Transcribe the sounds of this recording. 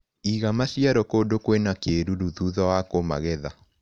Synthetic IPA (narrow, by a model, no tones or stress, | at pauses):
iɣamasiaɾɔkodokwenakeɾuɾuðuðɔwakoma̰ɣɛða